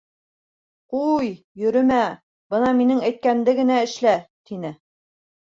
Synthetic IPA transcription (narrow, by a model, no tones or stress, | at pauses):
quj | jɵ̆ɾɵ̆mæ | bɤnɑminɘŋæjt̪̚kænd̪ɘɡɘ̆næɘ̆ʃlæt̪inɘ